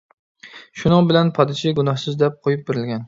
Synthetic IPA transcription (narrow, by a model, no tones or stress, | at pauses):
ʃʊnɨŋbɪlænpʰɑd̪ɪʃʰɪɡʊnɑhsɪzd̪ɛp̚qʰojɪp̚beɾɪlɡʲɛn